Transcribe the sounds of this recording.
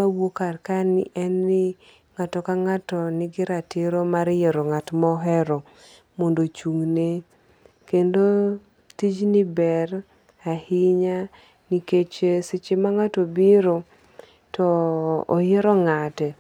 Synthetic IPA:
mawokarkanɪʔɛnːɪ | ŋatɔkaŋatɔnɪɡɪɾatɪɾomaɾjeɾoŋatmɔɦɛɾɔ | mondot͡ʃuŋne | kendo | tid͡ʒnɪbɛr | ahɪɲa | niket͡ʃesɪt͡ʃɪmaŋatobɪɾo | tɔ̰ːjeɾɔŋatɛ

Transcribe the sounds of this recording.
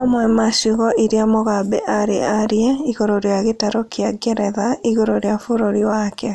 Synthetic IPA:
amwɛmaʃuɣɔʔiɾeamoɣabɛ̰ʔaɾeaɾjɛiɣoɾoɾeaɣetaɾɔkʰiaɡɛɾɛðaiɣoɾoɾeafoɾoɾiwakɛ

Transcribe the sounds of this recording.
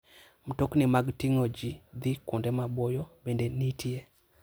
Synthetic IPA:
m̩toknɪmaɡtiŋod͡ʒid̪ikʊndɛmabojɔbendenitie

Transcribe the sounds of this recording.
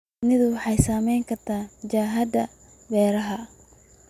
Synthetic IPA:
nɪðʊwɑħɑjsaːmɛjŋkʰɐrt̪ʰaːʊd͡ʒaːɦɐd̪ɐ | bɛːɾɐɦɐ

